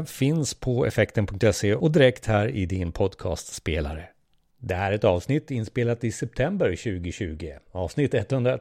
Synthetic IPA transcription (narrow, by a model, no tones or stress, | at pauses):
fɪnspʰɔɛ̰fɛkt̪ənpʰɵŋk̚t̪ɛseɔd̪ɪɾɛkt̪hæːɾɪd̪ɪnpʰɔd̪kʰɑ̰ːst̪speːla̰ɾə | d̪ɛæɾɛt̪ɑːvsnɪt̪ːɪnːspeːlat̪ɪsɛp̚t̪ʰɛmbəɾɕʉ̟ːɡɪɕʉ̟ːɡɪɑːvsnɪt̪ːɛt̪ːhɵnd̪ɾa